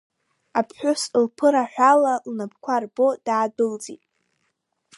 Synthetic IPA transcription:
apʰħʷᶣʊslpʰɨɾaħʷᶣalalnabkʷʰarbo̞d̥aːdɨld͡zitʼ

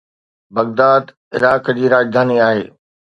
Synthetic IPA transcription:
bɐɣd̪aːd̪ | ɪ̰ɾaːkd͡ʑiːɾaːd͡ʑd̪ʱaːniaːɦḛː

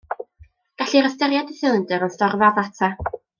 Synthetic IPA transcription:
ɡ̥aɬiɾəstɛɾjadɪθɪlˠəndɨɾənstɔrvaðatʰa

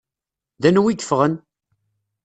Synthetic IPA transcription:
ðænwikːə̥fʁən

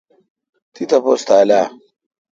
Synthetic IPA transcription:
t̪ʰit̪ɐpoːst̪aːlaː

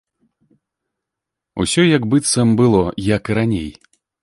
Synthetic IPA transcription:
ṵsʲɔjɐɡbɨt̪sɐmbɨlˠɔjɐkɨɾanʲḛj

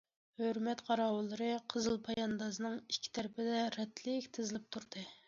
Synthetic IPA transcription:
høɾmɛt̪qʰɑɾɑːwɨlˠːɨɾɨqʰəzɨlˠpʰɑjɑnd̪ɑsɨnɨŋi̥kʲʰːi̥t̪ʰæɾɪpʰɪd̪ɛɾɛt̪ʰlɪkʲt̪ʰɪzɪlɪp̚t̪ʰuɾd̪̥ɨ

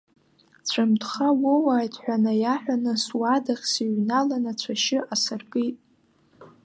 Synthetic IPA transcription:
t͡ɕʷʰamtʰχawowaːjtʰħʷᶣanajaħʷᶣanɨswadaχʲsiɥnalanat͡ɕʷʰaʃɪʔasɨrkʼitʼ

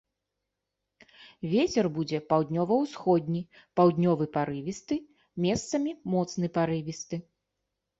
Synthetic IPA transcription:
vʲet͡sʲɛrbud͡zʲɛpawd̪ʲnʲɔvɐwsxɔd̪ʲnʲi | pawd̪ʲnʲɔvɨpaɾɨvʲist̪ɨ | mʲɛst̪sɐmʲimɔt̪snɨpaɾɨvʲist̪ɨ

